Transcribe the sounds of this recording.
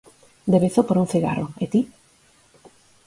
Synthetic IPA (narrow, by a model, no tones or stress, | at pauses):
d̪eβeθopoɾuŋθiɣa̰rʔoet̪i